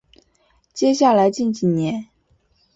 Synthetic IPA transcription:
t͡ɕjɛ˥ɕja˥˩la˧˥ɪt͡ɕi˥˩nt͡ɕi˨˩njɛ˧˥n

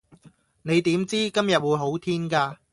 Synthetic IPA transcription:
ne˨˧jt̪iː˨˥mt͡siː˥kɐ˥mjɐ˨t̚wuː˨˧˥jɦo˨˥wt̪ʰiː˥nkaː˧

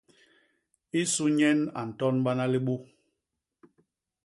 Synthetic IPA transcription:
i˦su˦ɲɛ˦na̰˨n̩˨tɔ˦nɓa˦na˦li˦ɓu˦

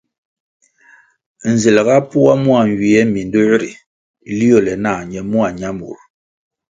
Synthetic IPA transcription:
n̩˨zi˨lɣa˦pu˦a˦mwa˨ɲ˨wi˨ɛ˦mi˨ndo˦ɾi˨ | li˦o˦˨lɛ˨na˦˨ɲɛ˨mu˦a˨ɲa˦mṵ˨ɾ

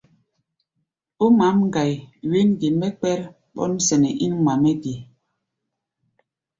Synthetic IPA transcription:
u˦ma˨˦mŋ̩˦ɡa˨jwe˦n˦ɡi˨mɛ˦k͡pɛ˦ɾ | ɓɔ̰˦n˦sɛ˨nɛ˨ʔi˦n˦ma˨mɛ˦ɡi˨

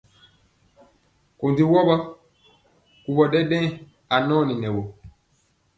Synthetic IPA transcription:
ko˨ndi˦wɔ˦ɓa˦ | ku˨ɓɔ˨ɗɛ˦ɗɛ̃˦ | a˨nɔ̃˦ni˨nɛ˨wo˨

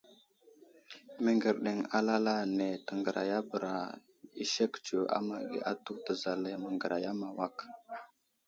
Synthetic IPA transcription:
mə˨ŋɡə˨ɾɗe˨ŋa˦la˦la˦ne˨tə˨ŋɡə˨ɾʔa̰˨ja˦bə˨ɾa˨ | i˦ʃe˦kt͡ʃu˨a̰˦ma˨ɡḭ˨a˦tu˦tə˨za˨le˨mə˨ŋɡə˨ɾa˨ja˦ma˨wa˦˨k

